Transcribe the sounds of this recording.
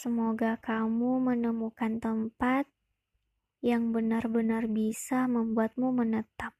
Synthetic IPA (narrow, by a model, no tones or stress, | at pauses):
səmoɡakamumənəmukant̪əmpat̪̚ | jaŋbənarbənarbisaməmbuat̪̚mumənət̪ap̚